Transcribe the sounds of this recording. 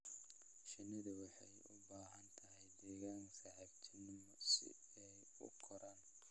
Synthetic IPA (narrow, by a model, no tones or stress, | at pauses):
ʃɪnːɐðɐwɑħɑjʊ̰baːɦɐnt̪ʰɐɦɛjd̪ɛːɣaːŋsɐʕɛɡt͡ʃ̪ʰɪnɪmɔsɪ̰ | ɛj | ʊ̰kʰɔɾaːn